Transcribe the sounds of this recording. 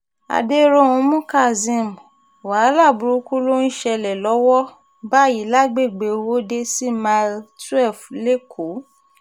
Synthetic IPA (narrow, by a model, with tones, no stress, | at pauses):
a̰˨de˦ɾo˦˨ũ˨˧˦mũ˦ka˦˨zĩ˧˨m˨ | wa˨˦la˦˨bu˨˧ɾu˧˦ku˦lo˦ĩ˦˨ʃɛ˧lɛ˨lɔ˨˦wɔ˦ | ba˦i˨˦la˦ɡ͡be˦˨ɡ͡be˨˧wo˦de˦si˦ma˧ltu˦ɛ˦˨fle˦kʰo˨˦